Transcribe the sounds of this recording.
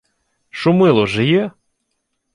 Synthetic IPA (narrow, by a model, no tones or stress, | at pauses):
ʃʊmɪlˠɔʒɪjɛ